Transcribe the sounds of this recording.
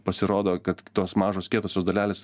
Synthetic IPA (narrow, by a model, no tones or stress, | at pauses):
pɐsʲɪɾoːd̪oːkɐt̪t̪oːsmɑːʒoːskʲiɛt̪oːsʲoːsd̪ɐlʲæːlʲeːs